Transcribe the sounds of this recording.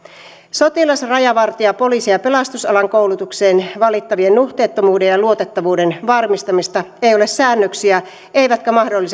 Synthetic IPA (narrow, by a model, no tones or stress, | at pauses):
so̞t̪ilɑsrɑjɑʋɑrt̪iɑpo̞lisijɑpe̞lɑst̪usɑlɑŋkowlut̪ukse̞ːnʋɑlit̪ːɑʋiennuht̪e̞ːt̪ːomuːde̞jjɑluo̞t̪et̪ːɑʋuːde̞nʋɑrmist̪ɑmist̪ɑejo̞lessæːnːøksiæ | e̞jʋæt̪kæmɑhdolːis